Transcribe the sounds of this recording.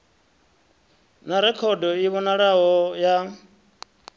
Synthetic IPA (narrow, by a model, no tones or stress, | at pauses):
naɾɛkʰɔdɔiβɔnaɺaɦɔja